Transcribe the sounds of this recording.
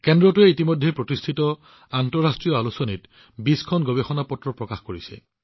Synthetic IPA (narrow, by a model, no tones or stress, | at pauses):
kɛndɹɔtuɛitimɔjdʱːɛpɹotistʰitɔ | antɔɹastɹijɔalusɔnit | biskʰɔnɡɔbexɔnapɔtɹɔpɹɔkaxkoɹisɛ̰